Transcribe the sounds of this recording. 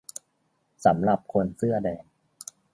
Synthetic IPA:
sa˩˦mɾa˨˩p̚kʰo˧nsɯ˥˩ɐdɛː˧n

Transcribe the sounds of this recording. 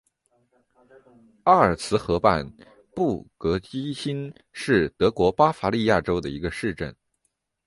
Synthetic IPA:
a˥ə˞˨˩t͡sʰɹ̩˧˥xɤ˧˥pa˥˧n | pu˥˩kɤ˧˥t͡ɕi˥ɕi˥n | ʂɻ̩˥˩t̪ɤ˧˥kwɔ˧˥pa˥fa˧˥li˥˧ja˥˩ʈ͡ʂo˥ʊd̪ə˨˩i˧˥ɡə˧ʂɻ̩˥˧ʈ͡ʂə̰˥˩n

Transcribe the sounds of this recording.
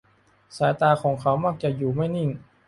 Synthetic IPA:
saː˩˦jt̪aː˧kʰɔː˩˦ŋkʰa˦˥wmaː˥˩k̚t͡ɕa˨˩juː˨˩ma˥˩jni˥˩ŋ

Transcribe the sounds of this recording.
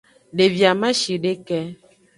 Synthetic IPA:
ɖe˨vja˨mã˦ʃi˨ɖe˦kɛ˦

